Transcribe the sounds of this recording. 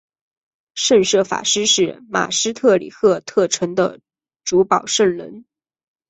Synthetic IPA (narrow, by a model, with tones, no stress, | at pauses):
ʂə˥˧ŋʂɤ˥˩fa̰˨˩ʂɻ̩˥ʂɻ̩˥˩ma̰˨˩ʂɻ̩˥t̪ʰɤ˥˩lḭ˨˩kʰɤ˥˧t̪ʰɤ˥˩ʈ͡ʂʰə˧˥ŋd̪ə̰˧ | ʈ͡ʂu˧˥pɑ˨˩ʊʂə˥˩ŋlə̰˧˥n